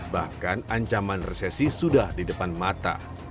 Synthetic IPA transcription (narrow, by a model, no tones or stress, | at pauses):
bahkanaɲt͡ʃamanresɛsisudahdidəpanmat̪a̰